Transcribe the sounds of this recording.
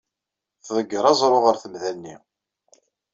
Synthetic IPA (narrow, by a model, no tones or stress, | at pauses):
θðˤəɡːəɾˤɑzˤɾˤoʁəɾθəmðænːḭ